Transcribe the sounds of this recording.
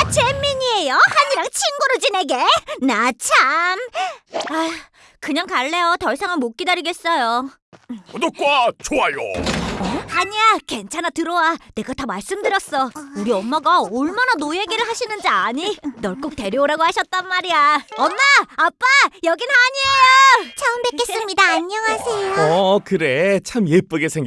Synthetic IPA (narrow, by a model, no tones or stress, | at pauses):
t͡ɕe̞mːiɲie̞johaɲiɾaŋt͡ɕʰinɡuɾoɭd͡ʑine̞ɡe̞nat͡ɕʰam | a | kɯɲaŋkaɭːe̞jotʌɭsʰaŋanmok͈idaɾiɡe̞s͈ʌjo | nok͈wat͡ɕoajo̰ | aɲiake̞nt͡ɕʰanatɯɾʌwane̞ɡatamaɭs͈ɯmdɯɾjʌs͈ʌuɾiʌmːaɡaʌɭmananojeɡiɾɯɭhaɕʰinɯnd͡ʑiaɲinʌɭk͈ok̚te̞ɾjooɾaɡohaɕʰʌt̚t͈anmaɾiaʌmːaːp͈ajʌɡinaɲiejot͡ɕʰʌɯmbek͈ess͈ɯmɲidaːɲːʌŋɦasʰejoʌkɯɾe̞t͡ɕʰamjep͈ɯɡesʰeŋɡ